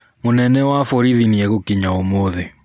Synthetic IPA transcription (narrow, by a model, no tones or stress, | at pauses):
monɛnɛwafɔɾiðiniɛɣokiɲaomoðe